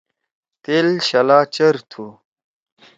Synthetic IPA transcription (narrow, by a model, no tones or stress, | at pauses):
t̪eːlɕɐlaːt͡ɕɐɾt̪ʰu